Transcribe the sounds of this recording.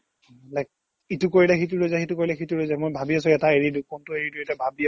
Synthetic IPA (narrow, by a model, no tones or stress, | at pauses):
lɛk̚ | itʊkoɹilɛxit̬ulojzajxetukoɹilɛxituɹojzajmojbʱabiasʊ̃ɛtaeɹidukɔntʊeɹiduetabʱabi